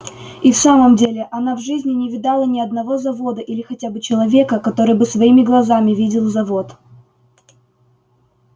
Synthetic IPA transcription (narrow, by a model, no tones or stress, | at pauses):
ifsaməmdʲelʲɪʔɐnavʐɨzʲnʲɪnʲɪvʲɪd̪ɑlˠənʲɪɐd̪nɐvo̞zɐvo̞d̪əʔilʲɪxɐtʲabɨt͡ɕɪlˠɐvʲe̞kəkɐt̪o̞ɾɨjbɨsvɐimʲɪɡlˠɐzamʲɪvʲidʲɪlˠzɐvo̞t̪